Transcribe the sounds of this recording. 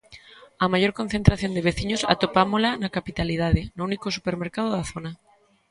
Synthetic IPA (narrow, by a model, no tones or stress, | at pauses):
ɐmajoɾkonθent̪ɾaθjond̪eβ̞eθiɲosa̰t̪opamolanakapit̪aliðaðenounikosupeɾmeɾkaðoðaθona